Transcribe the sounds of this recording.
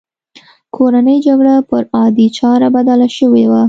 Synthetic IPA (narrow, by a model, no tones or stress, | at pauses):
kʰoɾanəjd͡ʒaɡɽapəɾɑd̪it͡ʃɑɾabad̪alaʃəwewa